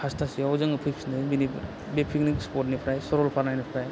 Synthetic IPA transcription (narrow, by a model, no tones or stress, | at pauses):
hastʰasiawzɯŋɯpʰɯjksnɯjbini | bepʰiknikspɔt̬nipʰɾajsɔɾɔlpʰaɾnajnipʰɾaj